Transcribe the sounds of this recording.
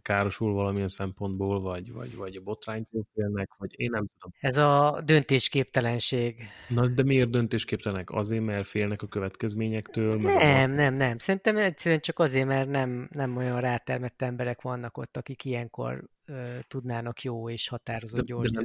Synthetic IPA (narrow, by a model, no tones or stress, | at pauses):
kaːɾo̞ʃulvɒlɒmiɛnsɛmpo̞nd̪boːlvɒɟvɒ̰ɟvɒɟɒbo̞t̪raːɲt̪oːlfeːlnɛkʋɒɟeːnːɛmt̪ud̪o̞mɛzɒd̪ø̞nt̪eːʃkeːp̚t̪ɛlɛnʃeːɡnɒd̪ɛmieːrd̪ønt̪eːʃkeːpt̪ɛlɛnɛkɒ̰zeːɾmɛrfeːlnɛkɒkøvɛt̪kɛzmeːɲɛkt̪øːlmɛɛmnɛmnɛmsɛɾint̪ɛmɛcsɛɾyɛnt͡ʃɒkɒzeːrmɛrnɛmnɛmo̞jɒnraːt̪ɛrmɛt̪ːɛmbɛɾɛkʋɒnːɒko̞̰t̪ːɒkikijɛŋko̞̰r | øːt̪ud̪naːnɒkjoːeːʃhɒt̪aːɾo̞zoɟor